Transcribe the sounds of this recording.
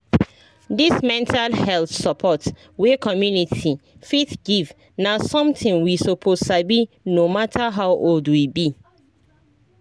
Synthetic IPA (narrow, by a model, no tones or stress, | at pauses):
dismɛ̃ntʰalhɛlθsəpʰɔt | wekʰɔmjunitʰifitɡiv | nasɔ̃mtʰĩŋwisopʰossabi | nomatʰaɦawʔoldwibi